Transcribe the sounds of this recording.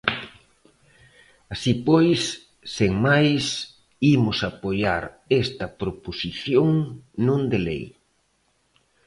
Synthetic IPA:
asipojsː | eŋmajs | imʊsapojaɾ | est̪ɐpɾoposiθjoŋnõnd̪elḛj

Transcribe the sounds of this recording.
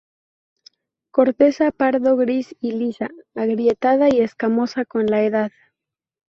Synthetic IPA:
ko̞ɾt̪e̞sapaɾðo̞ɣɾisilisaːɣɾje̞t̪að̞aie̞skamo̞sako̞nlaeð̞að

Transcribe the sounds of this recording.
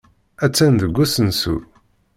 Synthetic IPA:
æt͡sːænd̪əɡʷːæsənsṵ

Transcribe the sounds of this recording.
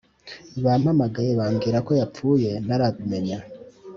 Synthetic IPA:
βam̥hamaɡajeβaːŋɡiɾako̞jap͡fuːje̞n̥aɾadume̞ɲa

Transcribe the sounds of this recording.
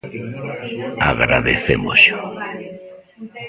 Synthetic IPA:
aɣɾa̰ðeθemʊzʝʊ

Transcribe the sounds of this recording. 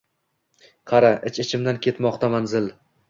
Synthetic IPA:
qʰɑɾaʔɪt͡ʃɪt͡ʃʰɪmd̪ankʲʰe̞t̪mɒqt̪ʰamanzɪl

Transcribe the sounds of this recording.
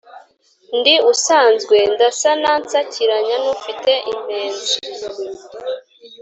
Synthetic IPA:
ndiusaːnzɡwe̞ndasanant͡sacʰiɾaɲanufite̞ʔim̥e̞ːnzu

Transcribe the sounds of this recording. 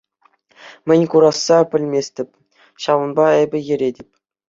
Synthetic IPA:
mʲɘ̆nʲkuɾɑsːɑpʲɘ̆lʲmʲesʲtʲɘ̆pʲ | ɕɑʋɤ̆nbɑɘbʲɘ̆jɘ̆ɾʲedʲɘ̆pʲ

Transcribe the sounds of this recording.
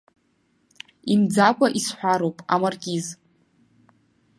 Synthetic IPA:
imd͡zakʷʼaʔisħʷᶣaɾowpʼa̰marɡʲiz

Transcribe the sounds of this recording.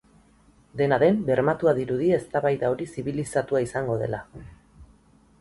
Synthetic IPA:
d̪e̞naðe̞mbe̞ɾmat̪uaðiɾuðie̞st̪aβajðao̞ɾisiβilisat̪uaisaŋɡo̞ðe̞̰la

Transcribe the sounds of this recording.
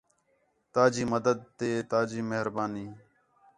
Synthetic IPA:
t̪aːd͡ʒiːməd̪əd̪̚t̪eːt̪aːd͡ʒiːmeɦɾbaːniː

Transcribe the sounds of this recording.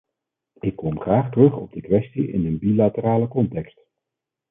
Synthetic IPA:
ɪkːʋɔmχraːχtrɵχɔ̰b̚dəkʋɛstiʔɪ̰ndənbilatəɾaːləkɔntɛkst

